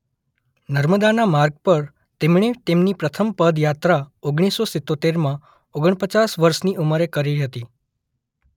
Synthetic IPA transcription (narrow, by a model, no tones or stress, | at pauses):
nəɾməd̪anamaɾɡ̚pəɾ | t̪emɳ̃et̪emnipɾət̪ʰəmpəd̪jat̪ɾaoɡɽ̃isːosɪt̪ːot̪eɾmã | oɡəɳ̃pət͡ɕasʋəɾʃniʔuməɾekəɾiɦət̪i